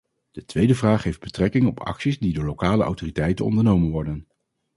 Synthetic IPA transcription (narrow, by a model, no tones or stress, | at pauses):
d̥ətʋejdəvraːχɦejvd̚bətrɛkɪŋɔpʰɑ̰ksizdidʊːɹlowkaːləʔɑ̰wtoːritɛjtənɔ̰ndəɹnowmənʋɔɹdən